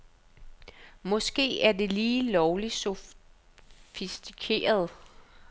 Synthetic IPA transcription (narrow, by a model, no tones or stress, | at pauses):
mɔ̽sɡ̥e̝̰ːæɐd̥e̝liːlɒʊliso̝ | fisd̥ikʰe̝̰ːɐð̞̩ˠ